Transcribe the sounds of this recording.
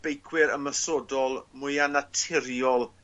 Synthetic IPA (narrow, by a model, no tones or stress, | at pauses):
b̥ejkʰwɪɾə̰məsɔdɔlˠmʊjanatʰɪɾjɔlˠ